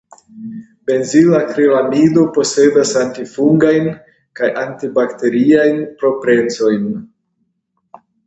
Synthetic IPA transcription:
be̞nzilakɾilamido̞po̞se̞dasantifuŋɡajn | kajʔantibakte̞ɾiajnpɾo̞pɾe̞nt͡so̞jn

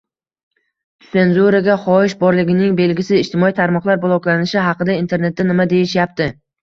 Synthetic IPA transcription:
se̞nzuɾaɡʲaχɒɪʃbɒɾlɪɡʲɪnɪŋbe̞lɡʲɪsɪɪʃt̪ʰɪmɒit̪ʰaɾmɒqlˠaɾbʊlˠɒkʲlanɪʃɪɦɑqɨd̪aint̪ʰe̞ɾne̞t̪̚d̪anɪmad̪e̞jɪʃjap̚t̪ɪ

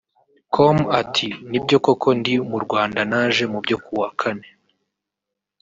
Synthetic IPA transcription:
kʰomatʰinib̚ɟo̞ko̞kʰo̞ndimuɾɡwaːndanaːʒe̞mubɟo̞kuwakʰane̞

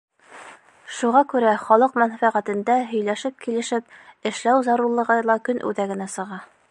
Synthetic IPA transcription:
ʃuʁɑkʉɾæχɒlˠɤqmænfæʁæt̪ɘ̆nd̪æɦɵ̆jlæʃɘp̚kilɘ̆ʃɘp̚ɘ̆ʃlæwzɑɾuɾlˠɤ̆ʁɤlˠɑkɵnʔʉ̰ðæɡɘ̆næsɤ̆ʁɑ

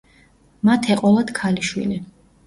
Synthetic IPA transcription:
mat̪ʰɛqʼɔlˠad̪̥kʰaliʃwḭli

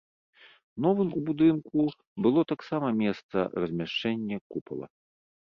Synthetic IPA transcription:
nɔvɨmubud̪ɨnku | bɨlˠɔt̪aksamɐmʲɛst̪sɐ̰rɐzʲmʲaʂt͡ʂɛnʲːɐkupɐ̰lˠɐ̰

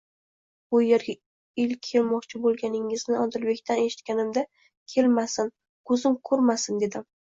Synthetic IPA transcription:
bʊjeɾɡʲa | ɪlkʲʰːe̞lmɒqt͡ʃʰɪbolˠɡʲanɪŋɪznɪɒd̪ɪlbe̞kʲt̪ʰane̞ʃɪt̪kʲanɪmd̪a | kʲʰe̞lmasɪn | kʰɵzɪmkʰɵɾmasɪnd̪e̞d̪ɪm

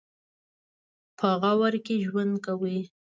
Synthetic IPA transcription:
pʰəɣawaɾkeʒwand̪kawi

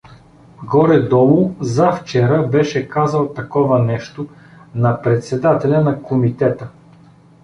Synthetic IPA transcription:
ɡɔɾɛd̪ɔlˠʊzɐft͡ʃɛɾəbɛʃɛkazəlˠt̪ɐkɔvɐnɛʃt̪o | nɐpɾɛt̪sɛd̪at̪ɛlʲənɐkomit̪ɛt̪ə

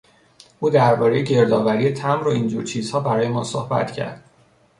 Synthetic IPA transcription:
ʔuːd̪æɾbɒːɾe̞jeɟe̞ɾd̪ɒːvæɾijet̪ʰæmɾoind͡ʒuːɾt͡ʃʰiːz̥hɒːbæɾɒːje̞mɒːsohbæ̰t̪cʰæ̰ɾd̪̥

